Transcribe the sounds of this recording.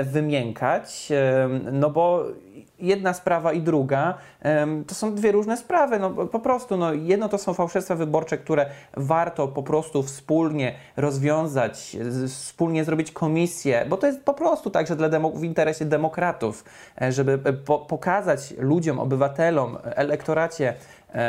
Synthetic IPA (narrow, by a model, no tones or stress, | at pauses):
vɘmʲjɛŋkʰat͡ɕ | nɔbɔ | jɛd̪naspɾavaid̪ɾuɡa | t̪ɔsɔ̃w̃d̪vʲjɛɾuʐnɛspɾavɘnɔpɔpɾɔst̪unɔjɛd̪nɔt̪ɔsɔ̃w̃fawʂɛfst̪favɘbɔɾt͡ʂɛkt̪uɾɛvaɾt̪ɔpɔpɾɔst̪ufspulɲɛ | ɾɔzvʲjɔ̃w̃zat͡ɕfspulɲɛzɾɔbʲit͡ɕkʰɔmʲisʲjɛbɔt̪ɔjɛst̪̚pɔpɾɔst̪ut̪aɡʐɛd̪lad̪ɛmɔvint̪ɛɾɛɕɛd̪ɛmɔkɾat̪uf | ʐɛbɘpɔpɔkazat͡ɕlud͡ʑɔmɔ̰bɘvat̪ɛlɔmɛlɛkt̪ɔɾat͡ɕɛ